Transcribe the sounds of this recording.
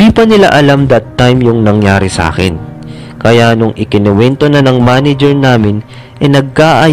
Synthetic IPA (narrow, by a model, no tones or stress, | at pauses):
iːpɐnɪla̰ʔɐlamd̪ɐt̪ːajmjʊŋnɐŋjaːɾɪsɐʔa̰ːkɪ̰n | kɐjanʊŋʔɪkɪnɛwɛnt̪o̞nanɐŋmaːnɛd͡ʒɛɹnaːmɪn | ʔɛnɐɡ̚kaʔɐ